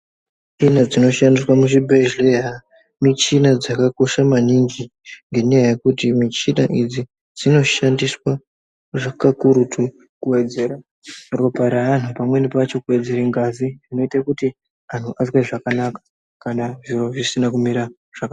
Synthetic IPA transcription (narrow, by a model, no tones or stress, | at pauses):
t͡ʃinad͡zino̞ʃandiswamuʃibʱeʒleja | mit͡ʃinad͡zakako̞ʃamanind͡ʒi | ŋɡe̞nejaje̞kutimit͡ʃinaʔid͡zi | d͡zino̞ʃandiswa | ʐakakuɾutʰu | kuwe̞d͡ze̞ːɾa | ro̞paɾaan̤upamwe̞nipat͡ʃo̞kuwe̞d͡ze̞ɾeŋɡaziino̞itakuti | an̤uʔazweʐakanakḁ | kanaʐiro̞ʐisinakumiɾa | ʐ̥aka